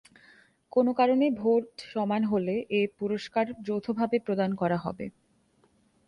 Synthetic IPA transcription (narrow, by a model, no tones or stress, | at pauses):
konokaɾonebʱoʈʃɔmanɦoleʔepuɾoʃkaɾd͡ʑowt̪ʰobʱabepɾod̪ankɔɾaɦɔ̰bḛ